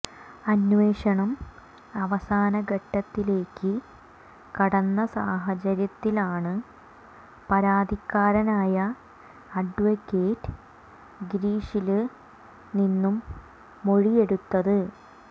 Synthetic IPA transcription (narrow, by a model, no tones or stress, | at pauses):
ɐnʋe̞ːʂɐɳɐm | ɐʋɐsaːnɐɡʱɐʈːɐt̪ːile̞ːkːɨ | kɐɽɐnːɐsaːɦɐt͡ɕɐɾjɐt̪ːilaːɳɨ | pɐɾaːd̪ʱikːaːɾɐnaːjɐ | ɐɖʋɐkːeːʈɨ̥ | ɡɾiːʂilɨ | ninːumː | o̞ɻije̞ɽut̪ːɐðɨ